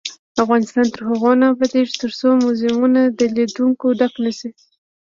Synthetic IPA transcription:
afɣɑnɪst̪ɑnt̪əɾhaɣonabad̪eʐit̪əɾsomʊzɪmunad̪əlid̪uŋkod̪aknasi

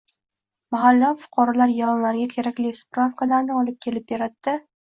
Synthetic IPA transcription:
maɦalːɒfʊ̥qʰɒɾalaɾjɒnlaɾɪɡʲakʲʰe̞ɾakʲlɪspɾafkalaɾnɪɒlɪp̚kʲʰe̞lɪp̚beɾat̪ːɪ

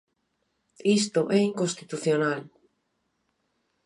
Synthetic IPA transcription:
ist̪oʔɛiŋkonst̪it̪uθjonal

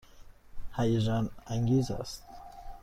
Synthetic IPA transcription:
hajʒanaŋɡiza̰st̪̚

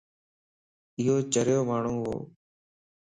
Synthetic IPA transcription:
ɪɦoːt͡ʃəɾjoːmaːɳ̤ũːɦo̰ː

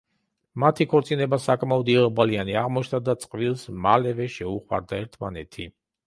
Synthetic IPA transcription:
mat̪ʰikʰɔɾt̪sʼinɛbasakʼmaɔd̪iʁbalianiaʁmɔt͡ʃʰd̪ad̪at̪sʼqʼvilˠsmalɛvɛʃɛuχwa̰ɾd̪aɛɾt̪ʰma̰nɛt̪ʰi

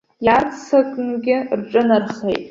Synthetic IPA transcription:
jart͡sʰsakʼɨnɡʲɪrʈ͡ʂʼɨnarχejtʼ

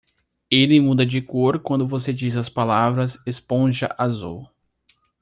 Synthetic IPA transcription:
elɪmũd̪ɐd͡ʒɪkoɾkwɐ̃nd̪ʊvosed͡ʒizɐspalavɾɐsespõʒɐ̰ʔazṵw

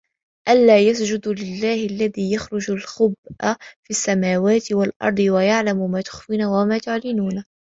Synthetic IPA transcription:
ʔalːaːjasd͡ʒʊd̪lɪlːaːhɪlːaðiːjaxɾʊd͡ʒalxʊbʔafiːsːamaːwaːt̪ɪwalʔɑ̰ɾˤd̪ˤɨwajaʕlamʊmaːt̪ʊ̥xfiːnaːwamaːt̪ʊʕlɪnuːn

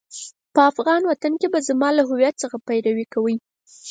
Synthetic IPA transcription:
pəafɣɑnwat̪ankebazamɑlaɦʊwjat̪̚səxapajɾawikawəj

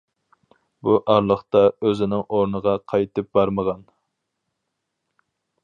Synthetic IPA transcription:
buʔɑɾlˠəχt̪ɑøzɪnɪŋʔoɾnəʁɑqʰɑjt̪ɨp̚bɑɾməʁɑn

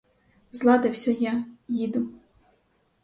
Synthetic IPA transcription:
zlˠɑd̪ɪwsʲɐjajid̪ʊ

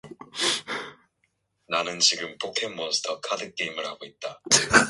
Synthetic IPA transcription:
nanɯnt͡ɕiɡɯmpʰok̚tʰeŋmʌs͈ʰɯ̥tʰʌkʰadɯk͈eimɯɭhaɡoit̚t͈a

